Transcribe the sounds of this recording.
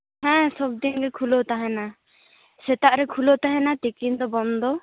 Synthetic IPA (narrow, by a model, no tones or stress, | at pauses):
hɛ̃sɔb̚d̪inɡɛkʰulot̪aɦɛna | sɛt̪aʔɾɛkʰulot̪aɦɛnat̪ikind̪ɔbɔnd̪ɔ